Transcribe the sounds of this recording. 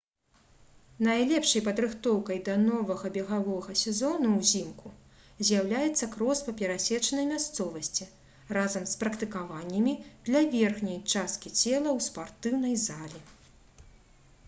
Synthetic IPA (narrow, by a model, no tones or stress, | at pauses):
najlʲɛpʂɐjpɐd̪ɾɨxt̪ɔwkɐjd̪ɐnɔvɐɣɐbʲɛɣavɔɣɐsʲɛzɔnuwzʲimku | zʲjawlʲajɛt̪sːɐkɾɔspɐpʲɛɾasʲɛt͡ʂɐnɐjmʲast̪sɔvɐsʲt͡sʲi | razɐmspɾɐkt̪ɨkavanʲːɐmʲid̪̥lʲɐvʲɛrxnʲɐjt͡ʂast̪̚kʲit͡sʲɛlˠɐwspart̪ɨwnɐjzalʲi